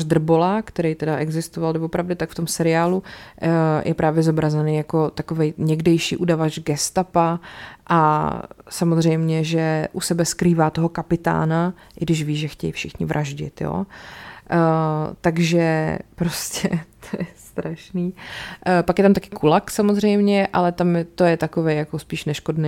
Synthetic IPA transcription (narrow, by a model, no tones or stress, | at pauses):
ʒd̪r̩bolakt̪ɛɾɛjt̪ɛdaʔɛɡzɪst̪ovaldɛvopɾavdɛt̪akft̪o̞msɛɾɪaːlu | jʔɛpɾʔaːvjɛzobɾazɛnejako̞t̪akovɛjɲɛɡdɛjʃḭːʔudavat͡ʃɡɛst̪apaʔa | samozr̝ɛjmɲɛʒɛʔusɛbɛskɾiːvaːt̪oɦo̞kapɪt̪a̰ːna | ʔɪɡdɪʃ̬viːʒɛxcɛ̰jḭfʃɪxɲɪvɾʔaʒɟɪ̰t̪jo̰ː | t̪aɡʒɛpɾoscɛ̰t̪ʰojɛst̪ɾaʃniː | pakjɛt̪amt̪akɪ̥kʰulaksamozr̝ɛjmɲɛʔalɛt̪amjɛt̪o̞jɛt̪akovɛjjakospiːʃnɛʃkodnɛ